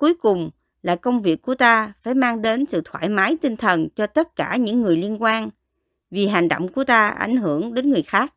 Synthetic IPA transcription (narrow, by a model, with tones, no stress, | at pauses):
ku˨˦jkʊ˨˩ŋ͡m | laː˨˩kə˧wŋ͡mvi˨˩ək̚ːu˧˩ət̪aː˧faː˧˩jmaː˧ŋɗe˨˦nsɨ̰˧˨t̪ʰwaː˧˩˨jmaː˨˦jt̪i˧ŋ̟t̪ʰə˨˩nt͡ɕɔ˧t̪ə˦˥t̚kaː˧˩ɲɨ̰˧˥ŋːɨ˨˩əjli˧ənkwaː˧n | vi˨˩ɦa˨˩ŋɗo̰˧˨wŋ͡mku˧˩ət̪aː˧ʔa̰˧˩jŋ̟ɦɨ˧˩əŋɗe˨˦nŋɨ˨˩əjxaː˦˥k̚